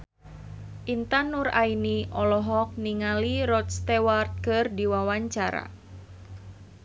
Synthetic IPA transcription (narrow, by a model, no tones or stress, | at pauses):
ʔint̪anura̰iniʔɔlɔɦɔk̚niŋaliɾɔt̪st̪ɛwart̪̚kɨrdiwawaɲt͡ʃaɾa̰